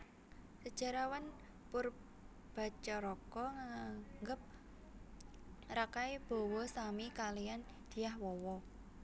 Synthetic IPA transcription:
səd̥ʒ̥a̤ɾawan | pʊr | b̥a̤t͡ʃɔɾɔkɔŋaŋɡəp̚ | rakaeb̥o̤wɔsamikalijan | d̪̥i̤jahwɔwɔ

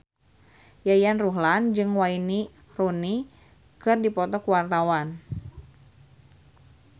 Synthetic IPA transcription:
jajanruɦland͡ʒɨŋwaini | roni | kɨrdipɔt̪ɔkuwart̪awan

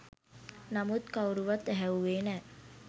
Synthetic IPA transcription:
namut̪kawɾuʋat̪ːæɦæuʋeːnɛː

